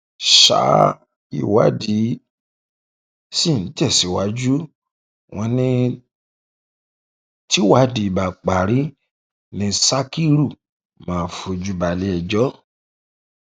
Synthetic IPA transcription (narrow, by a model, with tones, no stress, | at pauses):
ʃa̰˨˦ | ḭ˦˨wa̰˨˦di˨˦ | si˦˨n̩˨˦tɛ˦˨si˨˦wa˦d͡ʒu˦ | w̃ɔ̃˧nĩ˦ | ti˦wa˨˦di˧i˨ba˨k͡pa˨ɾi˦ | nĩ˧sa˦ki˦ɾu˦˨ | mãː˨˦fo˧d͡ʒu˦ba˧˨li˨˦ɛ˨d͡ʒɔ˦